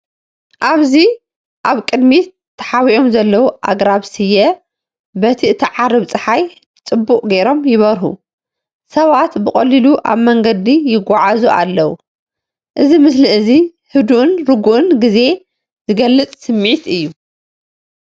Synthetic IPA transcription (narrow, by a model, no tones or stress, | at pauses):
ʔaβzi | ʔaβkʼɨd̪mi | t̪ʰːɐ̥ħawiʔo̞mzɐlːɐwuʔa̰ɡɾaβsɨjɐ | bɐt̪ʰiʔɨt̪ʰiʕaɾɨβt͡sʼɨħaj | t͡sʼɨbːukʼɡejɾo̞mjɪβɐɾhṵ | sɐβat̪bɨχʼɐliluʔa̰βmɐŋɡɐd̪ijɪɡʷːaʕazuʔa̰lːɐwu | ʔɨzimɨsliʔɨzi | hɨd̪uʔɨnɾɨɡuʔɨnɡize̞ | zɨɡɐlːɨt͡s̪ʼsɨmːʕit̪ʔɨjːu